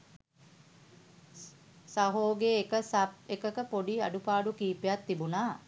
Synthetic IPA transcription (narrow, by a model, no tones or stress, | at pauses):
saɦoːɡeːkəsap̚ekəkəpoɖia̰ɖupaːɖukiːpejat̪ːibunaː